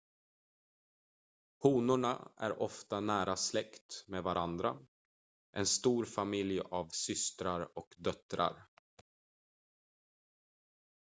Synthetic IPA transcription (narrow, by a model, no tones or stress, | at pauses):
huːnʊɳa̰ʔæ̰ɾʔɔft̪anæːɾaslɛkt̪meːvaɾʔand̪ɾa̰ | ʔɛnst̪uːɾfamɪljavsʏst̪ɾaɾɔkd̪œt̪ɾa̰ɾ